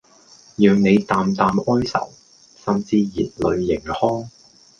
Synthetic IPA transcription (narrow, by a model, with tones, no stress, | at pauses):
jœː˨ŋne˨˧jt̪aː˨mt̪aː˨mʔɔː˥jsɐ̰˨˩w | sɐ˨mt͡siː˧jiː˨t̚lɵ˨˧ɥːɪ˨˩ŋhɔː˥ŋ